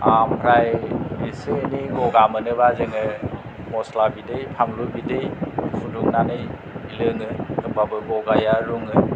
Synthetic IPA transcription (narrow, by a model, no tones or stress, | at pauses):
ampʰɾajisɯniɡɔɡamɯnɯβazɯŋɯ | mɔslabidɯjpʰaŋlubidɯjsuduŋnanɯj | ilɯŋɯkɯmbabɯɡɔɡajaɾuŋɯ